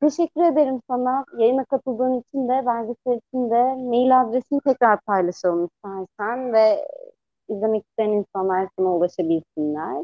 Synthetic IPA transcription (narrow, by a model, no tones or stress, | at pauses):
t̪ʰe̞ʃɛcʲːyɾe̞d̪eɾimsanajajɯnakat̪ʰɯlˠd̪uːnit͡ʃʰind̪ɛvæɾd̪ʲiseɾisind̪ɛmejilʲad̪ɾesinit̪ʰɛcɾaɾpʰajlˠaʃɯjoɾumist̪ʰæɾsænvɛ | izlʲe̞mɛci̥st̪ʰejaninsanlˠaɾsanaulˠaʃabilʲsinlʲæɾ̥